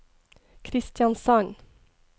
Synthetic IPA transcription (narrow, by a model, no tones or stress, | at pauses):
kʰɾɪst̪jɑnsɑŋ